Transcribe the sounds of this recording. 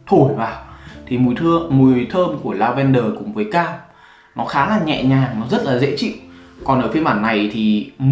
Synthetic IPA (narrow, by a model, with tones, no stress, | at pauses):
t̪ʰo˧˩jvaː˨˩wt̪ʰi˨˩mu˨˩jt̪ʰɨ˧əmu˨˩əjt̪ʰəː˧mku˧˩əlaː˧wvɛ˧nɗəː˨˩kʊ̰˧˩ŋ͡mvəː˨˦jkaː˧m | nɔ˨˦xaː˨˦laː˨˩ɲɛ̰˧˨ɲaː˨˩ŋnɔ˨˦zə˦˥t̚laː˨˩zḛ˧˥t͡ɕḭ˧˨wkɔ˨˩nʔəː˧˩fi˧˦əɓaː˧˩nːa˨˩jt̪ʰi˨˩m